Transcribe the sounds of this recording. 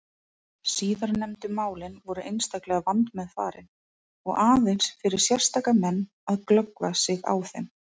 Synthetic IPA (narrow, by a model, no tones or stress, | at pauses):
siːðaɾnɛmt̪ʏmaːwlɪnvɔɾʏʔejnst̪aklɛːɣavant̪mɛðfa̰ːɾɪn | ɔɣaːðensfɪɾɪɾ̥sjɛr̥st̪aːkamɛnː | aðklœkvasɪɣa̰wθḛm